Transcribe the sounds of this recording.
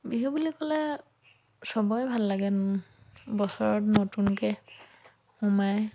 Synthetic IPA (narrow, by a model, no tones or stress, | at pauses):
biɦɔbulikɔlɛ | sɔbɔjbʱalːaɡɛn | bɔsɔɹɔtnotunkɛ | humaj